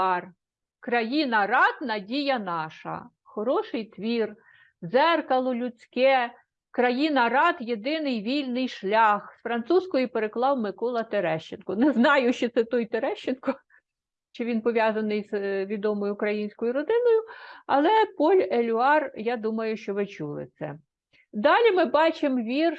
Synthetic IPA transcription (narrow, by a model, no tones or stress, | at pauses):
ɑr | kɾɐjinɐrɑd̪nɐdʲijɐnɑʃɐ̰ | xɔɾɔʃɪjt̪ʋʲir | zɛrkɐlˠɔlʲʊt͡sʲkɛ | kɾɐjinɐɑt̪jed̪ɪnɪjʋʲilʲnɪjʃlʲɑxsfɾɐnt̪suskɔjipeɾeklˠɑwmɪkɔlˠɐt̪eɾɛʃt͡ʃenkɔnɛznɑjʊʃt͡ʃɔt̪sɛt̪ɔjt̪eɾɛʃt͡ʃːenkɔ | ʃt͡ʃɔʋʲinpɔʋʲjɑzɐnɪjzʋʲid̪ɔmɔjʊːkɾɐjinʲsʲkɔjʊɾɔd̪ɪnɔjʊɐlˠɛpɔlʲelʲʊɑrjɑd̪umɐjʊʃt͡ʃɔʋɪt͡ʃulˠɪ̰t̪sɛ̰ | d̪ɑlʲimɪbɑt͡ʃemʋʲir